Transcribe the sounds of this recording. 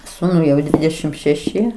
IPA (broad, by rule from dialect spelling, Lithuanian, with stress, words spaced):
ˈsuːnʊɪ jɛʊ ˈdʲʋʲɪdʲɛʃʲɪm ʃʲɛˈʃʲɪ